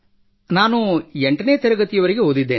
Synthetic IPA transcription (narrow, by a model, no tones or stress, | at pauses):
naːnueɳʈɐneːɐt̪ɛɾɐɡɐt̪ijɐʋɐɾiɡe̞ɦod̪id̪ːeː